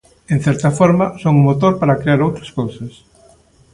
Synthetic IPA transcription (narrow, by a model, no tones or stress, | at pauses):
en̟θɛɾt̪ɐfɔɾmɐsoŋumot̪oɾpaɾakɾeaɾowt̪ɾɐskowsɐs